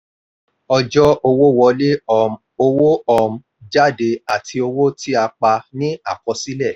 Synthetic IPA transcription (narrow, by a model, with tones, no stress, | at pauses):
ɔ˧d͡ʒɔ˦o˧wo˦˨wɔ˧le˦˨ | o˧wo˦ɔ˦˨m̩˨˦ | d͡ʒa˦˨de˧a˦˨tʰi˧o˧wo˦ti˦a˧k͡pa˧nĩ˦a˦˨kɔ˧si˦lɛ˦˨